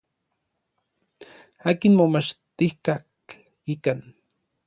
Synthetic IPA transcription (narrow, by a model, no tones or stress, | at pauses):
aːkinmomat͡ʃt̪ihka | t͡ɬ | iːkaːn